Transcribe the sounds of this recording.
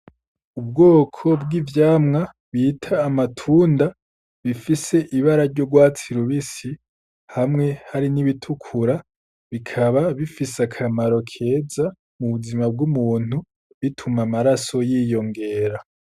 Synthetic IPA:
ubɡo̞ːkʰo̞bɡivjaːmŋa | βiːtʰaːmatʰuːnda | βifise̞ʔiβaɾaɾɟo̞ɡwaːt͡siɾuβisi | hamŋe̞haɾiniβitʰukʰuɾa | βikʰaβaβifisakʰamaɾo̞kʰe̞ːza | muβuzimab̚ɡumuːn̥u | βitʰumamaɾaso̞jiːjo̞ŋɡe̞ːɾa

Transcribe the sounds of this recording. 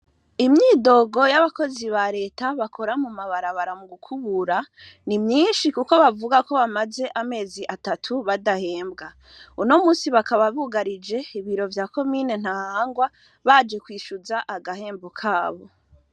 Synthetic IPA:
imɲiːdo̞ːɡo̞jaβako̞ziβaɾe̞ːtaβakʰo̞ɾamumaβaɾaβaɾamuɡukʰuβuɾa | nimɲiːnʃikuko̞βavuɡako̞βamaze̞ʔame̞ːziʔatatʰuβadahe̞ːmbɡa | uno̞muːsiβakaβaβuɡaɾid͡ʒe̞iβiɾo̞vjaːko̞mine̞n̥hahaːŋɡwa | βad͡ʒe̞kwiːʃuzaʔaɡahe̞ːmbokʰaːβo̞̰

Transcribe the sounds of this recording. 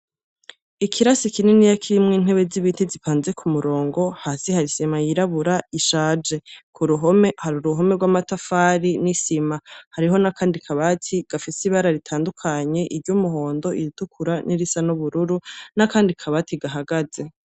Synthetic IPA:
ikʰiɾasikinenijakʰiɾimŋiːn̥he̞βe̞ziβitezipʰaːnze̞kʰumuɾo̞ːŋɡo̞haːsihaɾisimajiɾaβuɾaiʃaːd͡ʒe̞kʰuɾuɦomehaɾuɾuɦo̞meɡwamatafaːɾinisimahaɾiɦo̞nakʰaːndikʰaβatʰiɡ̥afisiβaɾaɾitʰaːndukʰaɲe̞ʔiɾɟumuɦo̞ːndo̞ʔiɾitukʰuɾanʔiɾisanuβuɾuɾunakaːndikʰaβatiɡaɦaɡaze̞

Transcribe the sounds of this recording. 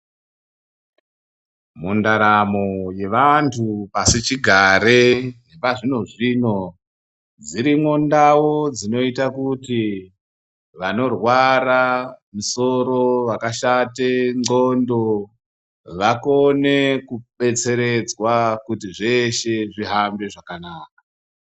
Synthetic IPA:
mundaɾamo̞je̞ʋantʰupasit͡ʃiɡʱaɾeɦeʋaʐino̞ʐino̞ | d͡ziɾimwo̞ndawo̞d͡zino̞itakuti | ʋano̞rwaɾamiso̞ɾo̞wakaʃateŋ͡ǀondo̞ | ʋako̞ne̞kuɓe̞t͡se̞ɾed͡zwakutiʐe̞ʃe̞ʐiɦambe̞ʐakanaːk̚a

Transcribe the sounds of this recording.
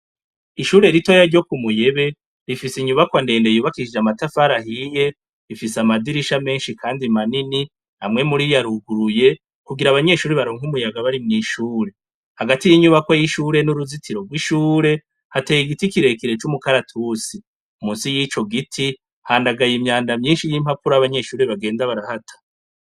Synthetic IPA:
iʃuːɾe̞ɾito̞jaɾɟo̞kumuje̞βe̞ | ɾifisiɲuβakwande̞ːnde̞juːβakiʃid͡ʒamatafaɾahije̞ | ɾifisamadiɾiʃame̞ːnʃikʰaːndimanini | amŋe̞muɾijaɾuɡuɾuje̞ | kuɡiɾaβaɲe̞ʃuːɾeβaɾo̞ːŋ̥humujaɡaβaɾimŋiːʃuːɾe̞ | haɡatijiɲuβakwajiʃuːɾe̞nuɾuzitiɾo̞ɡwiʃuːɾe̞ | hateːjiɡitikiɾe̞kiɾe̞t͡ʃumukaɾatʰusi | umuːnsijit͡ʃo̞ɡitʰi | haːndaɡajimɲaːndamɲiːnʃijim̥hapuɾaaβaɲe̞ʃuːɾeβaɡe̞ːndaβaɾahatʰḁ

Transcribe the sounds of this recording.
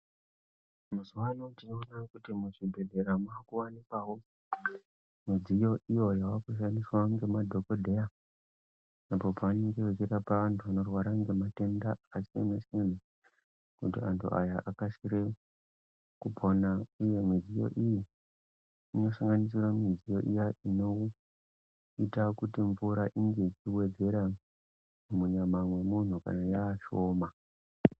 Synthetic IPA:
muzuwanotino̞nakutimuʐibʱe̞ɮe̞ɾamuakuwanikwawo | mwid͡zijo̞ʔijo̞jawakuʃ̬andiswaŋɡe̞madʱo̞kodʱe̞ja | apo̞paʋane̞ŋɡeʋet͡ʃiɾapaantʰuʋano̞rwaɾaŋɡe̞mate̞ndaːsienasiene | kutiantʰṵʔa̰jaʔakasiɾe | kubʱo̞naujemizijo̞̰ʔijiː | no̞saŋɡanis̬iramizijo̞̰ʔijaino̞ | itakutiɱvuɾaʔiŋɡe̞it͡ʃiwe̞d͡ze̞ɾa | mumuɲamamwe̞mun̤uka̰najaːʃo̞ːma

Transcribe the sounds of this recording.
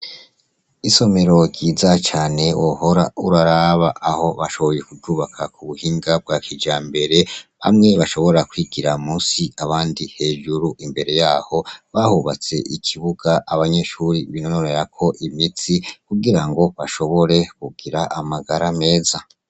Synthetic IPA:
iso̞me̞ɾo̞ɟiːzat͡ʃaːne̞woho̞ɾa̰uɾaɾaβaʔːho̞βaʃo̞βo̞je̞kuuːβakʰakuβuhiŋɡab̚ɡakid͡ʒaːmbe̞ɾe̞βa̰mŋe̞βaʃo̞βo̞ɾakwiːɡiɾamuːsiaβaːndihe̞ːʒuɾuʔimbe̞ɾe̞jaːho̞βahuβat͡se̞̰ʔikʰiβuɡ̥aʔaβaɲe̞ʃuɾiβinononeɾakʰo̞ʔimit͡sikuɡiɾaŋɡo̞βaʃo̞βo̞ɾe̞kuɡiɾaamaɡaɾame̞ːza

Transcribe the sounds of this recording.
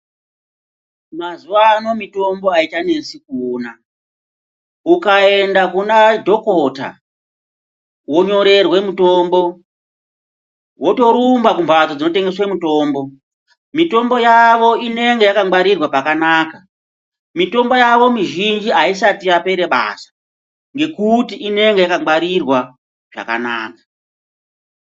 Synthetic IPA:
mazuʋaːno̞mito̞mbo̞aitane̞sikuːna | ukae̞ndakunadʱo̞kota̰ | wo̞ɲo̞ɾe̞rwe̞muto̞ːmbo̞ | wo̞to̞ɾumbakumbad͡zod͡zino̞te̞ŋɡe̞swemuto̞ːmbo̞ | mito̞mbo̞jaʋo̞ine̞ŋɡe̞jakaaɾirwapakanaːka | mito̞mbo̞jaʋo̞miʒind͡ʒiaisatiape̞ɾeɓa̰ːsḁ | ŋɡe̞kutiʔine̞ŋɡe̞jakaaɾirwa | ʐ̥a̰ka̰naːkḁ

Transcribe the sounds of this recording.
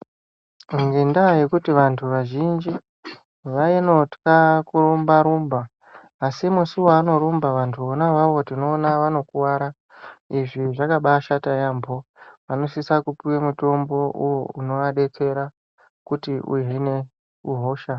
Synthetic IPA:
ŋɡendaje̞kutiʋantʰuʋaʒind͡ʒi | ʋaenoti̥kakurombaɾumbaː | simusuwoano̞ɾumbaʋantʰuonawaʋo̞tino̞ːnaʋano̞kuwaɾa | iʐiʐakaɓaʃatajaːmboʋano̞sisakupiwemuto̞mbo̞ʔujouno̞aɗe̞t͡se̞ɾa | kutiʔṵɦine̞ | uɦo̞ːʃa

